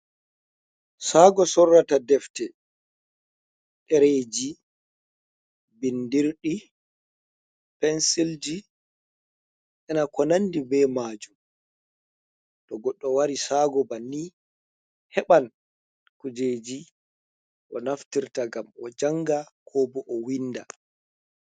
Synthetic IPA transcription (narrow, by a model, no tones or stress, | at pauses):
saːɡɔsɔrːatadɛftɛ | ɗɛɾeːd͡ʒi | bindiɾɗi | pɛnsild͡ʒi | ʔɛnakɔnandibɛmaːd͡ʒum | ɗɔɡɔɗːɔwaɾisaɡɔbanːi | hɛɓan | kud͡ʒed͡ʒi | ʔɔnaftiɾtaɡamɔd͡ʒaŋɡakʰɔːbɔʔɔwinːda